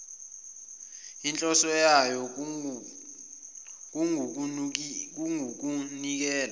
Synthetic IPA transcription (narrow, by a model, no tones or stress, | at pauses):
int͡ɬʼɔsɔjajɔ | k̬ | k̬uŋuk̬unik̬ɛːla